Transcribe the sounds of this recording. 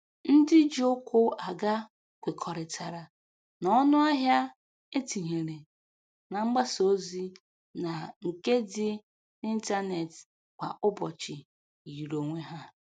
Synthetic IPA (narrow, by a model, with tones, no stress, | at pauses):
n̩˦dɪ˦d͡ʒi˦ʊ˦kʷʊ˦a˨ɡa˦ | kʷe˨kʰɔ˨ɾɪ˨tʰa˨ɾa˨ | nɔ˦nʊ˦a˦ɦja˦ | e˦ti˨ɦe˨ɾe˨ | na˨ŋ͡m̩˦ɡ͡ba˦so˦zi˦ | na˨ŋ̩˨ke˦dɪ˦ | ni˦n̩˦ta˦ne˨tɪ̥˨ | kʷa̰˨ʔʊ˦bɔ˨t͡ʃɪ˨ | i˨ɾo˨ŋʷe˦ɦa˦